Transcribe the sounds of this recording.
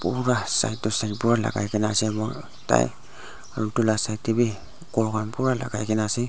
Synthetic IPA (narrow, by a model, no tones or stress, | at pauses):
puɹasa̰jt̚tɔsajt̚puɾala̰ɡa̰jkɛnasɛmɔ̰ | ta̰j | aɾutulasajtːebi | kɔɡanpuɾala̰ɡajkɛnasi